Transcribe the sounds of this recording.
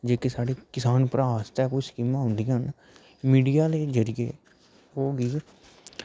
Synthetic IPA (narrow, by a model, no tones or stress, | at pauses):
d͡ʒeːkeːsaːɽeːkɪsaːnpɾaːst̪ɛːkoːiskiːmãːɦʊ̃nd̪iːɦən | miːɖijaːleːd͡ʒəɾɪje | ɦoːɡiː